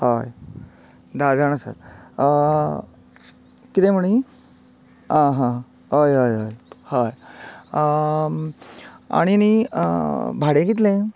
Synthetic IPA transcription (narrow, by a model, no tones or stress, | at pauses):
haj | d̪aɾd͡zaɳasə̰ɾ | kit̪ẽm̤əɽi | ãɦã | ɦojɦajɦajhaj | a̰ɽ̃ini | bʱaɽẽɡit̪̬lẽ